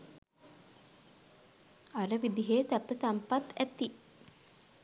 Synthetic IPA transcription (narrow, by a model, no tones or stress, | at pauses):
aɾəʋid̪iɦeːt̪æpːəsampat̪æt̪i